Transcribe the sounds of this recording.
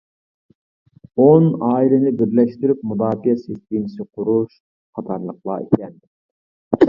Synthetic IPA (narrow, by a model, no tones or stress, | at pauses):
onɑːilɪnɪbɪɾlɛʃt̪yɾyp̚mud̪ɑːfijɛsest̪inɪsɪqʰʊɾuʃ | qʰɑt̪ʰɑɾlˠəqlˠɑ̰ḛkʲɛn